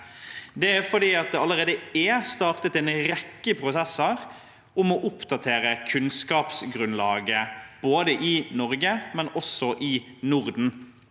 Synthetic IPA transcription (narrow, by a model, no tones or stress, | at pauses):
d̪ɛæɾfɔd̪iːɑt̪̚d̪ɛɑləɾeːd̪əɛst̪ɑt̪ət̪ɛnɾɛkːəpʰɾʊsɛsəɾ | ʊmɔʔʊpd̪ɑt̪ʰeːɾəkʰʉnskɑːpsɡɾʉnlɑːɡəb̥oːd̪əʔɪnɔɾɡəmɛnɔsɔʔɪ | nʊɾd̪n̩